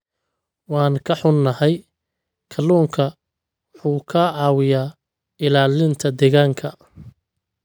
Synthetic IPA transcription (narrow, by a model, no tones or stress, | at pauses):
wɑːnkʰɐħʊnːɐhɛj | kʰɐluːŋkʰɐ | ħuːkʰaʕɑːwɪjaː | ɪlaːlɪnt̪ʰɐd̪ɛːɣaːŋkʰɐ